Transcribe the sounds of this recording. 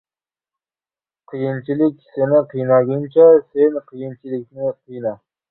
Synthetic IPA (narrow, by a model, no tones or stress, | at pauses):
qʰɨjɪnt͡ʃʰɪlɪkʲsenɪqʰijnɑɡʲɪnt͡ʃʰasenqʰɨjɪnt͡ʃʰɪlɪk̚ʲnɪqʰɨjna